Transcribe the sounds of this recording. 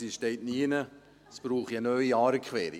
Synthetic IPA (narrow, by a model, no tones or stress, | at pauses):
siʃteɪtniːnə | sb̥ɾuːχiənœʏiɑːɾəkχʋɛːɾḭ